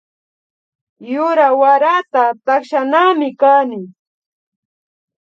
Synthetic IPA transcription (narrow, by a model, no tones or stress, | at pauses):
jʊɾawaɾat̪at̪akʃanaːmɪkaːnɪ